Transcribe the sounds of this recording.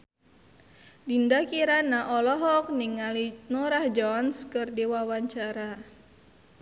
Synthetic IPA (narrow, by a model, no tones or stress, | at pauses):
dindakiɾanaʔɔlɔɦɔk̚niŋːalinuɾahd͡ʒɔnskɨrdiwawaɲt͡ʃaɾa